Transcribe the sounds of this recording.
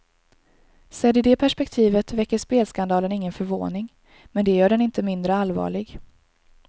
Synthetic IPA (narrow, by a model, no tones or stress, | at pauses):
sɛd̪ɪd̪ɛpʰæʂpɛkt̪ʰiːvət̪vɛkːəʂpeːlskand̪ɑːlənɪŋːənfœɾvo̰ːnɪŋ | mɛnd̪ɛjœːɖɛnɪnt̪əmɪnd̪ɾəalːvɑ̰ːɭɪɡ